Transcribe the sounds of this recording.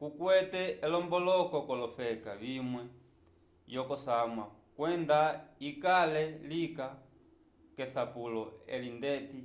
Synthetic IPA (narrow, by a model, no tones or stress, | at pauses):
kukwɛtɛːlɔmbɔlɔkɔkɔlɔfɛkavimwɛ | jɔkɔsamwa | kwɛndaikalɛlika | kɛsapulɔɛ̰lindɛti